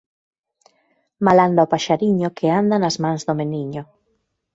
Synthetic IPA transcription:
maland̪oopaʃaɾiɲʊkʰeand̪anazmãŋzðʊmeniɲʊ

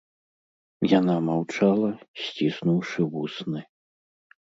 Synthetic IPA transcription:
janamawt͡ʂalˠɐsʲt͡sʲisnuwʂɨvusnɨ

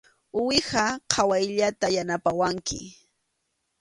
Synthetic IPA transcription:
ʊwɪhaqʰawajʎat̪ajanapawaŋkɪ̰

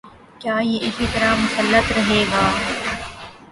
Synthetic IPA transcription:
kjaːjeʔɪsit̪ɐɾamʊsəlːət̪ɾɐɦeːɡaː

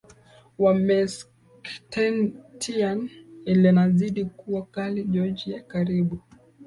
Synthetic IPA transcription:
wamɛs | ktɛntʰianilɛnaziɗikuwakaliʄɔd͡ʒijakaɾiɓu

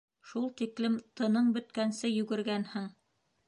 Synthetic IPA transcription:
ʃulˠt̪iklɘmt̪ɤ̆nɤɴbɵ̆t̪kænsɘjʉ̆ɡɘ̆ɾɡænhɘŋ

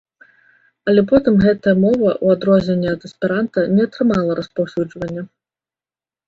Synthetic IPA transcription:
ɐlʲɛpɔt̪ɨmɣɛt̪ɐjɐmɔvɐʔuad̪ɾɔzʲnʲɛnʲːɛɐd̪ɐspʲɛɾant̪ɐnʲɛɐt̪ɾɨmalˠɐɾɐspawsʲud͡ʐvɐnʲːɐ

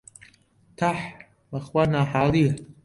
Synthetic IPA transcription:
t̪ʰaħ | baχwanaħaːli

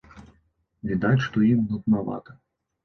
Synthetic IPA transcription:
vʲid̪at͡sʲʂt̪ɔimnut̪nava̰t̪ɐ̥

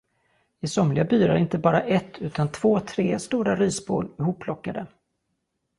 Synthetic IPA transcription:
ɪsɔmlɪɡabyːɾa̰ɾɪnt̪əbɑːɾaʔɛt̪ʰːʉ̟ːt̪ant̪ʰv̥oːt̪ʰɾeːst̪uːɾaɾyːsboːlɪhuːpʰːlɔkːad̪ə

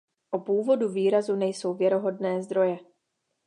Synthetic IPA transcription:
ʔopuːvo̞duviːɾazunɛjso̞wvjɛɾo̞ɦo̞dnɛːzd̪ɾo̞jɛ

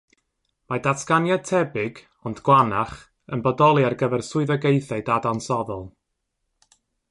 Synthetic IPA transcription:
madatʰkanjatʰɛbɪɡ | ɔndɡ̥wanaχ | ənbɔdɔlˠiarɡəvɛrsʊɨðɔɡejθadadansɔðɔlˠ

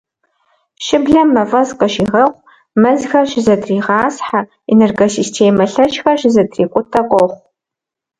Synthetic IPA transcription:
ʃɪbɮɐmːɐvɐzqəʃiːʁɐχʷ | mɐzxɐʃɪzɐdriːʁɑːsħa | enerɡosistʰeːmɐɬɐt͡ʃxɐʃɪzɐdriːqʷʼʊtʰɐqʷʼɔχʷ

